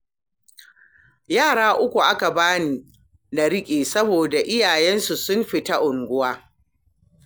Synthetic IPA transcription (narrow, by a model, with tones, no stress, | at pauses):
jaː˦˨ɽaː˦ʔʊ˦kʷu˨ʔa˦ka˨baː˦niː˨ | na˨ɽɪ˦kʲʼeː˨sɐ˦boː˨da˨ʔɪ˦jaː˨jɛ˦nsu˨sʊ˦mɸɪ˨ta˦ʔʊ˨ŋɡʷʊ˦waː˦